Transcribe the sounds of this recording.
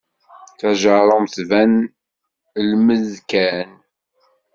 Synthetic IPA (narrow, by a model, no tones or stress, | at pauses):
θæʒəɾˤəmθvæn | lməzkæn